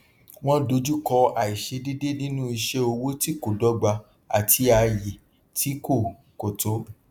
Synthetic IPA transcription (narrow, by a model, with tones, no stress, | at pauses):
w̃ɔ̃˦do˧d͡ʒu˦kɔ˧a˨i˨ʃe˧de˦de˦nĩ˦nũ˦i˧ʃe˦o˧wo˦ti˦ko˨dɔ˨˦ɡ͡ba˧ | a̰˨tʰi˧˦a˧ji˨ | tʰi˨˦ko˦˨ | ko˨to˨˦